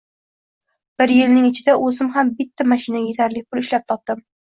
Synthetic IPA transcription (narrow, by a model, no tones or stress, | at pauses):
b̥ɪɾjɪlnɪŋɪt͡ʃʰɪd̪aʔɵzɪmɦambɪt̪ːamaʃɪnaɡʲaje̞t̪ʰaɾlɪk̚ʲpʰʊlɪʃlap̚t̪ʰɒp̚d̪ɪm